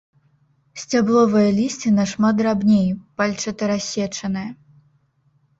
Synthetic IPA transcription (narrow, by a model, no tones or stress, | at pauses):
sʲt͡sʲablˠɔvɨjɐlʲisʲt͡sʲinɐʂmat̪d̪rabnʲejpalʲt͡ʂɐt̪ɐɾasʲɛt͡ʂɐnɨjɐ